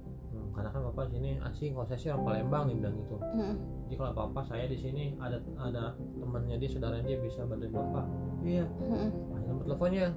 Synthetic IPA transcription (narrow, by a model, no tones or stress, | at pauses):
əkarnakanpapasinia̰siŋkosaasiɾaŋpalembaŋdimdaŋɡit̪u | d͡ʒadikalopapasajadisiniada | ada | t̪əmənɲadiasudaɾadiabisabadapapaijaananamət̪eləfɔnɲa